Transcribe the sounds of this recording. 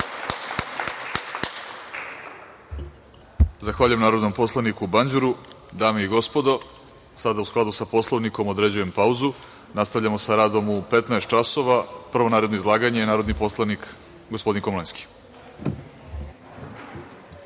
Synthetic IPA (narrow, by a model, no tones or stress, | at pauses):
zaxʋaːʎujemnaːɾo̞d̪no̞mpo̞slˠanikubaɲd͡ʑuɾu | d̪aːmeiɡo̞spo̞d̪o̞ | sad̪ausklˠad̪usapo̞slˠoʋniko̞mo̞d̪ɾe̞d͡ʑuje̞mpauzu | nast̪aʋʎamo̞saɾaːd̪o̞mupe̞t̪naest̪t͡ʃaso̞ʋapr̩ʋo̞naːɾe̞d̪noizlˠaːɡaɲejenaːɾod̪niposlanik | ɡospod̪inkomlˠajnski̥